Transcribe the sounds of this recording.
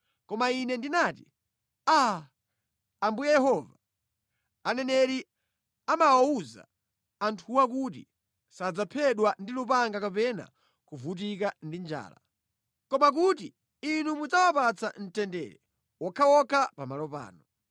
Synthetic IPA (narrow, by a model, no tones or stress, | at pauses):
kɔmainɛndinaːti | a | ambujɛjɛhɔva | anɛnɛɾi | amawauza̰ | antʰuwak̬utḭ | sad͡zapʰɛɗwandilupaŋɡakapɛna̰ | kuvut̬ikandind͡ʒa̰ːla̰ | kɔmak̬ut̬i | inumud͡zawapat͡sʰan̩tɛndɛ̰ɾɛ̰ | wɔkʰawɔkʰapamalɔpa̰ːnɔ